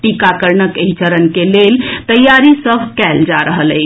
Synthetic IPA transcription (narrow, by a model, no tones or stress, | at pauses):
ʈikakəɾnəkəɦt͡ʃəɾənkelelt̪əjaɾisəbʱkɛld͡ʒaɾəɦələ̰ɪ